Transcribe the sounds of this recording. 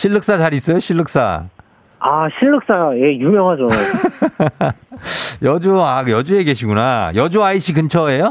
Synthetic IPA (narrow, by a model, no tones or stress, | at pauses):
ɕʰiɭːɯk̚s͈ad͡ʑaɾis͈ʌjoɕʰiɭːɯk̚s͈a̰ | aɕʰiɭːɯk̚s͈aje̞jumjʌŋɦad͡ʑo | jʌd͡ʑuajʌd͡ʑue̞ɡe̞ɕʰiɡunajʌd͡ʑuaiɕ͈ikɯnt͡ɕʰʌe̞jo